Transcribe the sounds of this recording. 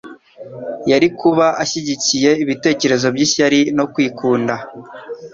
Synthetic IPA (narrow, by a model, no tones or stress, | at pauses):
jaɾikʰuβaʔaʃiɟicije̞iβite̞ːce̞ɾe̞zo̞bɟiʃaɾino̞kwiːkuːnda